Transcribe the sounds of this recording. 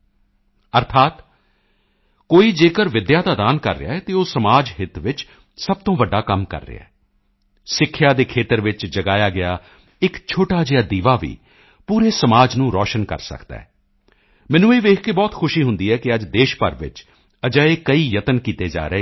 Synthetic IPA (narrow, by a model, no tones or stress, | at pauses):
əɾt̪ʰaːt̪ | koːiːd͡ʒeːkəɾʋɪd̪jaːd̪aːd̪aːnkə̰ɾːɪ̰ja̰ːɛːt̪eːoːsəmaːd͡ʒɦɪt̪ʋɪt͡ʃ | səb̚t̪õːʋəɖːaːkəmkə̰ɾːḛa̰ː | sɪkʰːjaːd̪eːkʰeːt̪əɾʋɪt͡ʃd͡ʒəɡaːjaːɡɪjaː | ɪkt͡ʃʰoːʈaːd͡ʒɪjaːd̪iːʋaːʋḭː | puːɾeːsəmaːd͡ʒnũːɾɔːʃənkə̰ɾsə̰kd̪a̰ːɦɛː | mɛ̃ːnũːeːʋeːkʰkeːbɔːt̪xʰʊʃiːɦʊnd̪iːɛːkɪəd͡ʒd̪eːʃpəɾʋɪ̰t͡ʃ | əd͡ʒaːeːkəiːjət̪ənkiːt̪eːd͡ʒa̰ːɾəeː